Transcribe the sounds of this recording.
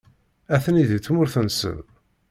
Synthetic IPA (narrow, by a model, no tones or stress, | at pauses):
æθəniðət͡sːmʊɾθənsə̰v